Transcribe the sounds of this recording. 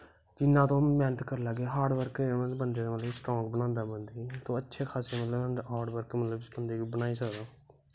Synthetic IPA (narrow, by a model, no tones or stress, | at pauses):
d͡ʒɪnːãːt̪õːmɛːnət̪kəɾlaːɡeːɦaːɾɖʋəɾkbənd̪eːd̪mət̪ləsʈɾɔ̃ːŋɡbənãːnd̪aːbənd̪iːt̪õːətːʃʰeːkʰaːseːmət̪ləbɦaːɾɖʋəɾkmət̪ləbbənd̪eːbənaːiːsəkd̪aː